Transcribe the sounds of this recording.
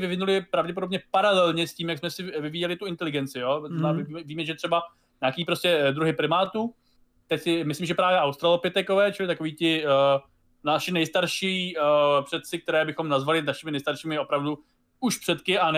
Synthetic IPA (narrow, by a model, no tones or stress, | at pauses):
vɪvɪnulɪpɾavɟɛpo̞do̞bɲɛpaɾalɛlɲɛsciːmjaksmɛsɪvɪviːjɛlɪt̪uɪnt̪ɛlɪɡɛnt͡sɪjo̞aːɪvimɛviːmɛʒɛt̪r̥ɛba | ɲaːkiːpɾo̞scɛd̪ɾuɦɪpɾɪmaːt̪uː | t̪ɛcsɪmɪslimʒɛpɾaːvjɛʔawst̪ɾalopɪt̪ɛkovɛːt͡ʃɪlɪt̪akoviːt̪ɪ | naʃɪnɛjst̪aɾʃiːpr̝̥ɛt̪t͡sɪk̚t̪ɛɾɛːbɪxo̞mnazvalɪnaʃɪmɪnɛjst̪aɾʃiːmɪo̞pɾavdu | uʃpr̥ɛt̪kɪʔan